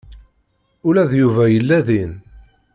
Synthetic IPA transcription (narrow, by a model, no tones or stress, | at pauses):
ʊlæðjuvæjəlːæðin